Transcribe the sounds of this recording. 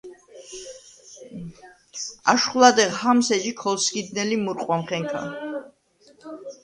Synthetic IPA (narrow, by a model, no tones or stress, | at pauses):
a̰ʃχulˠad̪ɛʁhamsɛd͡ʒikʰɔlˠskid̪nɛlimuɾqʼwamχɛŋkʰa̰